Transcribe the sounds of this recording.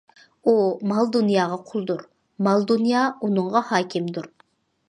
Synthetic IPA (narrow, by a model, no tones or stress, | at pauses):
umɑlˠd̪unjɑːʁɑqʰʊlˠd̪uɾ | mɑlˠd̪unjɑːunɨɴʁɑhɑːkʲʰɪmd̪uɾ